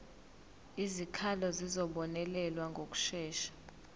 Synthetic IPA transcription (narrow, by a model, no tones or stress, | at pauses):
izikʰalɔzizɔɓɔnɛlɛlwaŋɡʱok̬ʼu̥ʃɛːʃḁ